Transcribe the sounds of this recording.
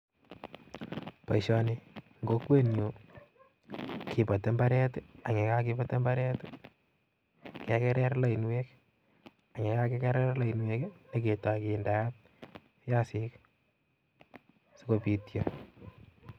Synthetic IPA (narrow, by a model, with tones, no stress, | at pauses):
pa˨iʃɔni | ŋɡo˦kwe˦njo˨ | ki˨pa˨te˦mba˦ɾɛ˦ta˨ŋe˨ka˦ki˦pa˦te˦mba˦ɾɛ˦t | ke˨kɛ˦ɾɛ˦ɾla˨i˨nwe˦k | a˨ŋe˨ka˦ke˦kɛ˦ɾɛ˦ɾla˨i˨nwe˦kne˦ke˨ta˨kinda˨ja˦t̚ | ja˦sik | so˦ko˨pi˨tja